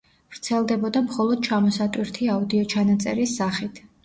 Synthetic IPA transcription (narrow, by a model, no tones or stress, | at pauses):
vɾt̪sʰɛlˠd̪ɛbɔd̪amχɔlˠɔd̪̥̚t͡ʃʰamɔsat̪ʼwiɾt̪ʰiaud̪iɔt͡ʃʰanat̪sʼɛ̰ɾisːaχit̪ʰ